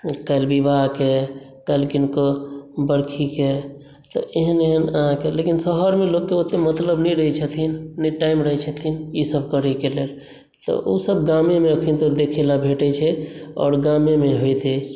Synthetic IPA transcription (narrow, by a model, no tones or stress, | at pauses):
kajlbibaɦke | kaelkinkobəɽkʰike | t̪ɔ̰ʔeɦəneɦənəɦãkelekinsəɦəɾmelokːeot̪emət̪ləbnɛɾəɦit͡ʃʰət̪ʰinːɛʈaimɾəɦit͡ʃʰət̪ʰinisəb̚kəɾɛkelel | t̪ɔ̰ʔosəb̚ɡamemeəkʰint̪od̪ekʰilabʱeʈɛt͡ʃʰɛɔ̰ːɾɡamemeɦojt̪ɛ